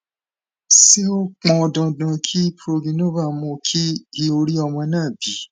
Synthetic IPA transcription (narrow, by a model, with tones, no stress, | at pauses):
si˦o˦k͡pɔ̃˧dɔ̃˨˧dã˧kʰi˦pɾo˧lĩ˧˦nõ˦ba˦˨mũ˧kʰi˦i˧o˧ɾi˦ɔ˧mɔ̃˧nãː˦˨bi˨˦